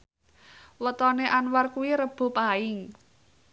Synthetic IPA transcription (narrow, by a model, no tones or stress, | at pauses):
wət̪ɔneʔanwarkuwiɾəb̥o̤paɪŋ